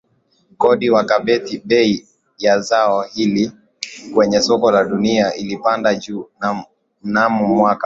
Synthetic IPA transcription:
kɔɗiwakaɓɛtiɓɛi | jazaɔhili | kwɛɲɛsɔkɔlaɗuniaʔilipandad͡ʒuː | m̩namumwaka

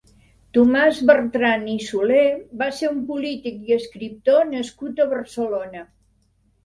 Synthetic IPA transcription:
t̪umazβərt̪ɾanisulebaseɾumpulit̪ikiəskɾip̚t̪onəskut̪əβərsəlonə

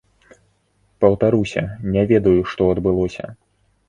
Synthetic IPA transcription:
pɐwt̪aɾusʲɐ̰nʲɛvʲɛd̪ɐjuʂt̪ɔɐd̪bɨlˠɔsʲɐ̰

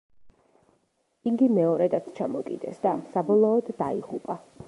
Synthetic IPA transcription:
iŋɡimɛɔɾɛd̪at̪sʰt͡ʃʰamɔkʼḭd̪ɛ̰sd̪asabɔlˠɔːd̪ːaiʁupʼa

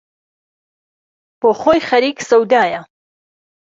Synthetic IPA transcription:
b̥oːχoːjχɐɾiːksɐwd̪aːjɐ

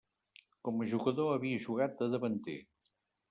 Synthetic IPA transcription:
kɔməʒuɣəðoəβiəʒuɣat̪̚d̪əðəβənt̪ḛ

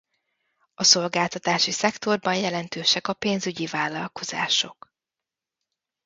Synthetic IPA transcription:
ɒso̞lɡaːlt̪ɒt̪aːʃisɛkt̪o̞rbɒnjɛlɛnt̪øːʃɛkɒpeːnzyɟivaːlːɒlko̞z̥a̰ːʃo̞k

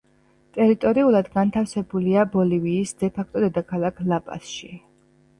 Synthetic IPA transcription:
t̪ʼɛɾit̪ʼɔɾiulˠad̪ɡant̪ʰafsɛbuliabɔliviːsd̪̥ɛpʰak̚ʰt̪ʼɔd̪ɛd̪akʰalˠakʰlˠapʼa̰sʃi

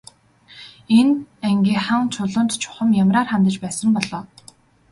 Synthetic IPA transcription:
enæŋɡʲiːχə̆ŋt͡ɕʰʊɮʊ̆nt̪t͡ɕʰʊ̥χə̆mjamraːrχamt̪ə̆t͡ɕpæːsə̆mpɔɮɔː

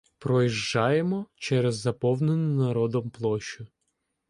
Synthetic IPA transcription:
pɾɔjiʒd͡ʒɑjemɔt͡ʃɛɾɛzːɐpɔwnenʊnɐɾɔd̪ɔmplˠɔʃʲʊ

